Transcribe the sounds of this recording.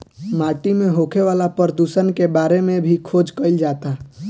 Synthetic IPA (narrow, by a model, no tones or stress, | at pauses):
maːʈimẽɦokʰeʋaːlapəɾd̪usənkebaːɾemẽbʱikʰoːd͡ʒkəɪld͡ʒat̪a